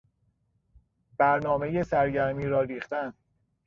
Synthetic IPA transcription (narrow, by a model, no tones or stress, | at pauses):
b̥æɾnɒːmeje̞sæɾɟæɾmiːɾɒːɾiːχt̪æn